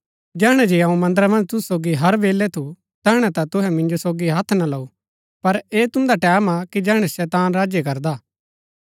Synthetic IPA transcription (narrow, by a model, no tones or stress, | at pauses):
d͡ʒɛːɦɽ̃ɛd͡ʒeɐũmɐ̃nd̪əɾamɐ̃nd͡ʒt̪ʊssoːɡiɦɐɾʋeːlːɛt̪ʰu | t̪ɛːɦɽ̃ɛ̃t̪at̪ʊɦɛmɪ̃nd͡ʒosoːɡiɦɐt̪ʰːnalɐu | pɐɾeːt̪ʊ̃nd̪aʈɛːmakid͡ʒɛːɦɽ̃ɛsɛːt̪aːnɾaːd͡ʒekɐɾd̪aː